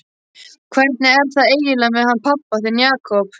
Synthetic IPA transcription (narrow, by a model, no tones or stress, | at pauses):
kʰvɛɾt̪̚nɪɛɾ̥θaðeːjjɪlanmɪðhanpʰapːaθɪɾnjaːkʰɔp